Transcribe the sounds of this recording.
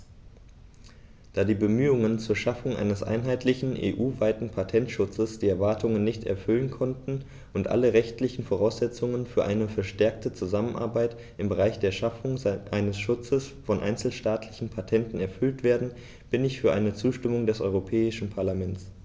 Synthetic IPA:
d̥aːdiːbəmyːʊŋənt͡suːɐʃafʊŋʔa̰ɪnəsʔa̰ɪnɦaɪtʰlɪçn̩ʔḛːʔuːvaɪtn̩pʰatʰɛntʃʊt͡səsd̥iːɛɐvaɐtʰʊŋənːɪçtɛ̰ɐfʏlənkʰɔntn̩ | ʊntʔa̰ləʁɛçtlɪçn̩foʁ̞aʊsz̥ɛt͡sʊŋənfyːɐʔaɪnəfɛɐʃtɛɐk̚tət͡suzamənʔa̰ːɐbaɪt | ʔɪmbəʁ̞aɪçd̥eːɐʃafʊŋʔaɪnəsʃʊt͡səsfɔnʔa̰ɪnt͡sl̩ʃtaːtʰlɪçn̩pʰatʰɛntn̩ɛɐfʏltv̥eːɐdn̩ | b̥ɪnɪçfyːɐʔaɪnət͡suːʃtɪmʊŋdɛsʔɔʏʁopʰɛːɪʃn̩pʰaɐlamɛnt͡s

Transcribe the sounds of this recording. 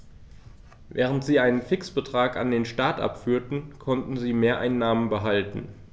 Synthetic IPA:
vɛːʁ̞əntz̥iːʔaɪnənfɪksb̥ətʁ̥aːka̰ndeːnʃtaːtʔa̰pfyːɐtn̩kʰɔntn̩ziːmeːɐʔaɪnːaːmənbəɦaltn̩

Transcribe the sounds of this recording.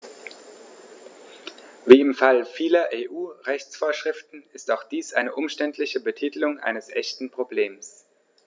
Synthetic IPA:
viːɪmfalfiːlɐʔeːʔuːʁɛçt͡sfoːɐʃʁ̥ɪftn̩ɪstaʊxd̥iːsʔa̰ɪnəʔʊmʃtɛntʰlɪçəbətʰiːtəlʊŋʔa̰ɪnəsʔɛ̰çtn̩pʁ̥obleːms

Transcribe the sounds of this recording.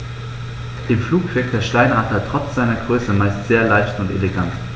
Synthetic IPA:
ʔɪmfluːkv̥ɛɐk̚td̥eːɐʃtaɪnʔaːɐtɐtʁ̥ɔt͡sz̥aɪnɐɡʁøːsəmaɪstz̥eːɐlaɪçtʊntḛleɡant

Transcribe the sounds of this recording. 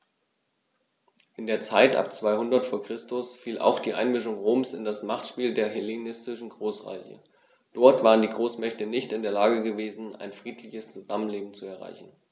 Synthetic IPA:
ʔɪndeːɐt͡saɪtʔa̰pt͡sv̥aɪhʊndɐtfoːɐkʁ̥ɪstʊsfiːlʔa̰ʊxd̥iːʔa̰ɪnmɪʃʊŋʁoːmsɪndasmaχtʃpiːldeːɐɦelenɪstɪʃn̩ɡʁoːsʁa̰ɪçə̰ | d̥ɔɐtv̥aːʁəndiːɡʁoːsmɛçtənɪçtɪndeːɐlaːɡəɡəveːzn̩ʔa̰ɪnfʁ̥iːtʰlɪçəst͡suzamənleːbm̩t͡suɛɐʁa̰ɪçn̩

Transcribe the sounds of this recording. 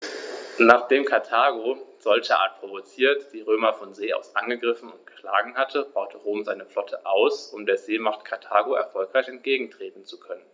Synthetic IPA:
naːχd̥eːmkʰaɐtʰaːɡoz̥ɔlçɐʔa̰ɐt̚pʁ̥ovot͡siːɐtd̥iːʁøːmɐfɔnzeːa̰ʊsʔa̰nɡəɡʁɪfn̩ʊnt̚ɡ̥ə̥ʃl̥a̰ːɡŋ̩hatʰəb̥aʊtʰəʁoːmzaɪnəflɔtʰəʔaʊsʊmdeːɐzeːmaχtkʰaɐtʰaːɡoɛ̰ɐfɔlkʁ̥aɪçɛnt̚ɡ̥eːɡŋ̩tʁ̥eːtn̩t͡su̥kʰœnən

